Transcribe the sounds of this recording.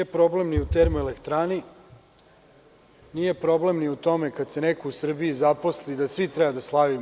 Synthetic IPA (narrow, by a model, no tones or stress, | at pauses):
epɾo̞ble̞mniut̪eɾmuelekt̪ɾaːni | nije̞pɾo̞blemniut̪o̞me̞kad̪se̞nekousr̩biːzapo̞slid̪asʋit̪ɾɛbad̪aslˠaʋi